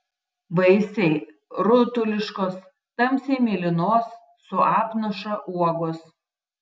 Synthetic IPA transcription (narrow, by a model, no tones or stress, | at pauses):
bɐɪsʲɛɪ | ɾʊt̪ʊlʲɪʃkoːs | t̪ɐmʲsʲɛɪmʲeːlʲɪnoːsː | ʊɑːpnɐʃɐʔuɔɡos